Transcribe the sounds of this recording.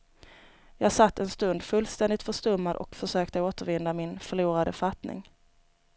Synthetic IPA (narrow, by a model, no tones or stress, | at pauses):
jɑːɡsat̪ːɛnst̪ɵnd̪fɵlːst̪ɛnd̪ɪt̪fœʂt̪ɵmːad̪ʔɔ̰kfœʂøːkt̪əoːt̪əɾvɪnd̪amɪnfœɭuːɾad̪əfat̪nɪ̰ŋ